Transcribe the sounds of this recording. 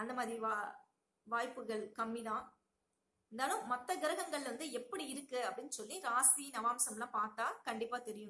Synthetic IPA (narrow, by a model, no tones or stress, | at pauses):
ɐnd̪ɐmaːðɾiʋaː | ʋaːjpːɯɣɐɭkɐmːɪðãː | ɛnd̪aːlɯ̃mːɐt̪ːɐɡɪɾɐɣɐŋɡɐɭɪʋɐnd̪ɯɛpːɐɽiɪɾɯkːɯɐpːɐɽɪnːɯsɔlːiɾaːsinɐʋaːmsɐmlãːpaːɾt̪aːkɐɳɖɪpːaːt̪ɛɾɪjɯ̃